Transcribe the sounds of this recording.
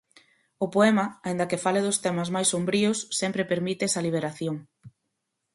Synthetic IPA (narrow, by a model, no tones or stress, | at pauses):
ʊpoɛmɐaĩnd̪ɐkefaleðʊst̪ɛmɐzmajsːombɾiʊsːɛmpɾepeɾmit̪ɛsɐliβ̞eɾaθjoŋ